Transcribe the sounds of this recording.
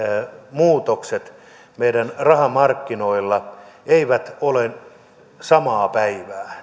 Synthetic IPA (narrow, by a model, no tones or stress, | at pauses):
muːt̪okset̪ | meidænrɑhɑmɑrkːinoilːɑeiʋæt̪ole | sɑmɑːpæiʋæː